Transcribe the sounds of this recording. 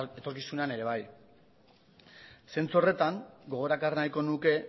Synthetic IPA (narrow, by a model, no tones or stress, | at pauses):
et̪o̞ɾkisunane̞ɾe̞β̞aj | se̞nt͡suo̞re̞t̪aŋɡo̞ɣ̞o̞ɾakarenajko̞nuke̞